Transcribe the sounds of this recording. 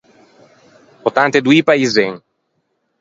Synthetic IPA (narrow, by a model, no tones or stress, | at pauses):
pot̪ant̪ed̪uipaizeŋ